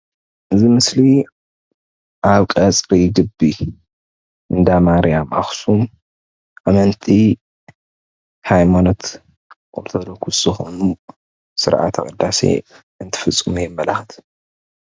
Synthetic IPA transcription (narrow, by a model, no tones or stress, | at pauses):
ʔɨzimɨsli | ʔaβkʼɐt͡sʼɾiɡɨbːi | ʔɨnd̪amaɾijamʔa̰xsum | ʔamɐnt̪ʰi | hajmano̞t̪ | kʼoɾt̪ʰod̪okʰuszɨxo̰nu | sɨɾʔa̰t̪ʰɐkʼɐd̪ːasḛ | ɨnt̪ʰɨ̥fɨt͡sʼːɨmujɛmːɐlaxt̪ʰ